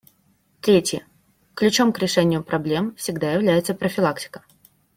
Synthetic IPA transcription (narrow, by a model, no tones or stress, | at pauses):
t̪ɾʲetʲjə | klʲʉt͡ɕo̞mkɾʲɪʂɛnʲɪjʊpɾɐblʲe̞mfsʲɪɡd̪ajɪvlʲæjɪt̪səpɾəfʲɪlˠaktʲɪ̥kə̥